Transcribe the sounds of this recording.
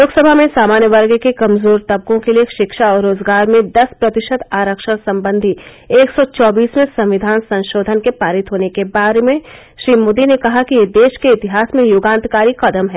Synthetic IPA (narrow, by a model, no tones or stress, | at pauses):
loːɡsəbʱamẽsaːmaːnjəʋɐɾɡkekɐmzoːɾt̪ɐb̚kõkelieʃɪkʃaɔːɾːoːzɡaːɾmẽd̪ɐspɾɐt̪ɪʃəd̪aːɾəkʃəsɐ̃mbə̃nd̪ʱi | eːksɔt͡ʃɔːbiːsmẽsɐ̃mʋɪd̪ʱaːnsɐ̃nʃoːd̪ʱənkepaːɾɪt̪ɦoːnekebaːɾemẽ | ʃɾiːmoːd̪inekɐɦakijed̪eːʃkeɪt̪ɪɦaːsmẽjʊɡãːnt̪kaːɾiqɐd̪əmɦɛː